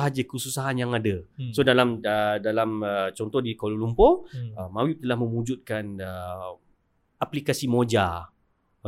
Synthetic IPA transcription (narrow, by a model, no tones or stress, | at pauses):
ɦad͡ʒəkəsusaɦanjaŋadəsodalamddalamət͡ʃɔnt̪ɔhdikololumpɔəmawiʔ̚t̪əlahmə̃mud͡ʒut̪̚kanə | aplikasimod͡ʒa